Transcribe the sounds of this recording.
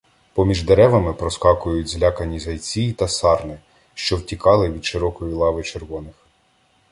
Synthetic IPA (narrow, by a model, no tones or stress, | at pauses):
pɔmʲiʒd̪eɾɛʋɐmɪpɾɔskɑkʊjʊtʲzlʲakɐnʲizɐjt͡sʲit̪ɐsɑrnɪ | ʃt͡ʃɔwtʲikɑlˠɪʋʲid̪ʃɪɾɔkɔjilˠɑʋɪt͡ʃerʋɔnɪx